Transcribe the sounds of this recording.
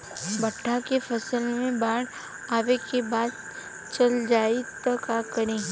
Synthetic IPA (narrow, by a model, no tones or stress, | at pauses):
bɐʈʰːakefɐsəlmẽbaːɽ | aːʋekebaːd̪̚ | t͡ʃɐld͡ʒaːit̪ɐkaːkəɾẽː